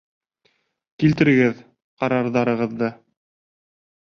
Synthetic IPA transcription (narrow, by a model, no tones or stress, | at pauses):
kilt̪ɘ̆ɾɘ̆ɡɘð | qɑɾɑɾðɑɾɤ̆ʁɤ̆ðːɤ